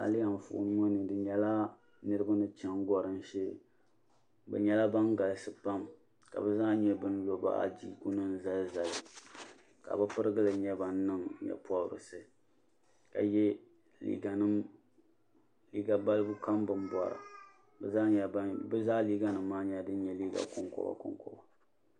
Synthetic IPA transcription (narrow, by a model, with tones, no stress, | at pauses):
a̰˨lɪ˦ja˨ɱ˨fʊ̰˨ʔn˦ŋo˦nɨ˨dɨ˨ɲɛ˨la˦ | nɨ˦ɾɨ˦ba˦nɨ˦t͡ʃɛ˦ŋɡɔ˦ɾɨ˦n̩˦ʃɛ˦˨ | bɛ̰˨ɲɛ˦la˦ba˦ŋɡa˨lɨ˨sɨ˦pa˦m | ka̰˨bɛ˦zaː˦ɲɛ˦bɨ˦n˦lo˦ba̰˦ʔa̰˨d͡ʒi˦ku˦nɨ˦n˦za˦lza˨lɨ˨ | ka̰˨bɨ˦pɨ˦ɾɨ˦ɡɨ˦lɨ˨ɲɛ˦ba˨n˦nɨ˦ŋɲɛ̰˨pwa˦˨ɾɨ̰˨sɨ˦ | ka̰˨jɛ˦ | lḭ˦ɡa˨nɨ˦ | li˦ɡa˨ba˦lɨ˦bu˦ka˦mbɨ˦n˦bɔ̰˨ɾa̰˨ | bɛ˨za˦ɲɛ˨˦bɨ˦zaː˦liː˦ɡa˦nɨ˨mː˦aː˦ɲɛ˦dɨ˦n̩˦ɲɛ˨liː˦ɡa̰˨kʊ˨ŋkɔ̰˦ba̰˨kʊ̰˦ŋkɔ̰˦ba˨